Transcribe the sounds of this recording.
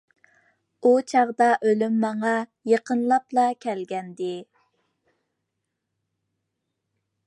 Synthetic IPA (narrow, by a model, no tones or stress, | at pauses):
ut͡ʃʰɑʁd̪ɑʔølymːɑŋɑjəqənlˠɑplˠɑkʲʰɛlɡʲɛnd̪ɪ